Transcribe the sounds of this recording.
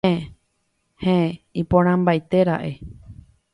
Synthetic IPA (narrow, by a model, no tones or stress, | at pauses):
heipõɾ̃ãmbajt̪eɾa̰ʔe̞